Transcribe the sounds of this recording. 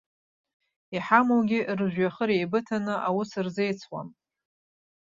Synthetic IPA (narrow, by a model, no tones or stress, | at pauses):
iħamowɡʲirʒʷᶣɥaχəɾejbɨtʰanɨʔawʊsɨrze̞jt͡sʰwa̰m